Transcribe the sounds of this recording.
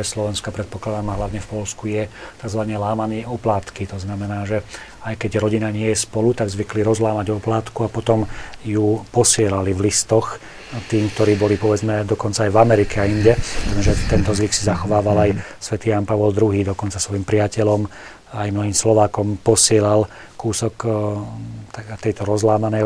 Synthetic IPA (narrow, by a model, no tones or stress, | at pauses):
ɛslɔʋɛnskapɾɛt̪̚pɔklad̪amaɦlaʋɲɛfpɔlskujɛt̪aɡzʋaɲɛlaːmaniːʔɔplaːt̪kit̪ɔznamɛnaːʒɛ | ajkɛɟɾɔɟinaɲɪɛjɛspɔlut̪aɡzʋikliɾɔzlaːmaɟɔplaːt̪kuapɔt̪ɔmjupɔsɪɛlalivlist̪ɔx | t̪iːmk̚t̪ɔɾiːbɔlipɔʋɛd͡zmɛd̪ɔkɔntt͡saːjvamɛɾikɛaiɲɟɛaɛʒɛt̪ɛnt̪ɔzʋiksizaxɔʋaːʋalajsʋɛt̪iːjanpaʋɔld̪ɾuɦiːd̪ɔkɔnt͡sasʋɔjimpɾɪacɛlɔm | ajmnɔɦiːmslɔʋaːkɔmpɔsɪɛlal | kuːsɔk | t̪t̪ɛjt̪ɔɾɔzlaːmanɛj